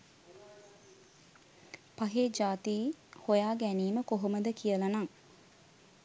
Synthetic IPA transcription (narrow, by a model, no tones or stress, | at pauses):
paɦeːd͡ʒaːt̪iːhojaːɡæniːməkoɦoməd̪əkijəlanaŋ